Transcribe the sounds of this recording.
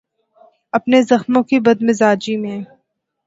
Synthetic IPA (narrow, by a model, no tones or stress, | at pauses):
ɐpnezɐxmõkibɐd̪̚mɪzaːd͡ʒimẽ